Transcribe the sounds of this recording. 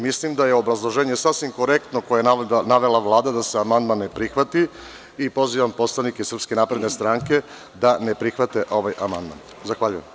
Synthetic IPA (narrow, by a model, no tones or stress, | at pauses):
mislimd̪aje̞o̞bɾazlˠo̞ʒeːɲesasʋimko̞ɾe̞k̚t̪nokojenaʋe̞laʋlˠaːd̪ad̪aseamand̪manːepɾixʋat̪i | ipo̞ziʋampo̞t̪slˠaʋnikesr̩pske̞napɾe̞d̪ne̞st̪ɾaːŋke̞ | d̪anepɾixʋat̪eʔo̞ʋajamand̪ma̰n | zaxʋaʎujem